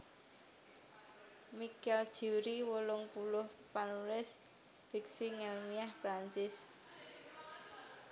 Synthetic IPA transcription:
mikɛld̥ʒ̥uɾiwolʊŋpulʊhpanulɪs | b̥ik̚siŋɛlmiahpɾaɲt͡ʃɪs

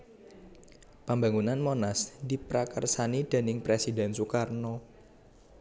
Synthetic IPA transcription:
pambaŋunanmonasd̪ipɾakərsanid̪̥a̤nɪŋpɾesidɛnsukarnɔ

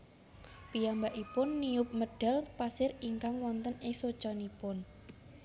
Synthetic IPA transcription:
pijambaʔipʊnːiʊp̚məɖ̥a̤lpasɪriŋkaŋwɔnt̪ənɪŋsod̥t͡ʃɔnipʊn

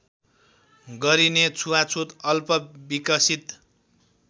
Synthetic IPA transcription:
ɡʌɾinet͡sʰuwat͡sʰot̪ʌlpʌbikʌsit̪

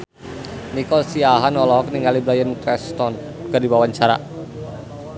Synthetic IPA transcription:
nikɔlsiaɦanɔlɔɦɔk̚niŋaliblajəntɾɛst̪ɔn | ɡ̥adiwawaɲt͡ʃaɾa̰

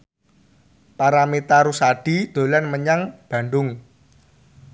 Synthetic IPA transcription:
paɾamit̪aɾusaɖ̥id̪̥o̤lanməɲaŋb̥a̤ɳɖʊŋ

